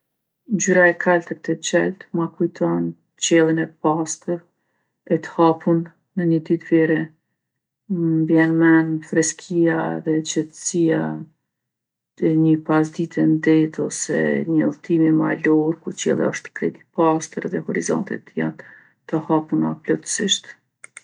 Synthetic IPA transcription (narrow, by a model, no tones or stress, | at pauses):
ɲd͡ʑyɾaɛkʰalt̪ək̚t̪ɛt͡ɕɛlt̪makujt̪ʰɔn | t͡ɕɛlˠinɛpast̪əɾ | ɛt̪ə̥hapunː | əɲəd̪it̪viɾɛ | mbjɛnmɛnfɾɛskʰiaðɛt͡ʃɛt̪əsija | ɛɲəpas̬d̪it̪ʰɛnd̪ɛt̪ɔsɛ̰ɲəlˠt̪imimalɔɾkuɾt͡ɕɛ̰lˠḭɔʃt̪ə̥kɾɛt̪i̥past̪əɾðɛhɔɾizɔ̰nt̪ḭt̪ja̰n | t̪əhapunaplɔt̪ə̥siʃt̪